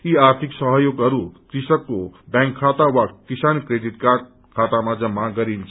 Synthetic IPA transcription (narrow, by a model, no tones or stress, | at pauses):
iaɾt̪ʰiksʌɦjoɡʌɾukɾisʌkːobãŋkʰːat̪awakisankɾed̪it̪ka | kʰat̪amad͡zʌmːaɡʌɾimt͡sʰ